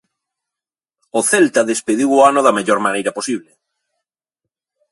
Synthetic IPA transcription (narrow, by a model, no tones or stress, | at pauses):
ʊθelt̪ɐðespeðiwoanʊðɐmeʎɔɾmanejɾɐposiβle